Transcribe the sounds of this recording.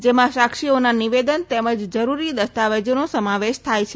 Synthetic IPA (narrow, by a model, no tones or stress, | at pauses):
d͡ʒemãʃakʃionaniʋed̪ənt̪eməd͡ʒd͡ʒəɾuɾid̪əst̪aʋəd͡ʒənosəmaʋeʃt̪ʰajt͡ʃʰe